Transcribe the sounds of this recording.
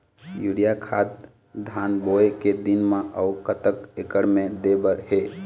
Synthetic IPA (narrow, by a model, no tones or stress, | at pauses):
juɽijakʰat̪̚ | d̪ʱanboeked̪inmẽʔəukət̪əkekəɽmed̪ebəɾɦe